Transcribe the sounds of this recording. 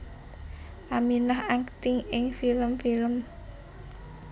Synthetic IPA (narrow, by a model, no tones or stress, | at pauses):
ʔaminahaŋkə̥t̪ɪŋɪŋfiləmfiləm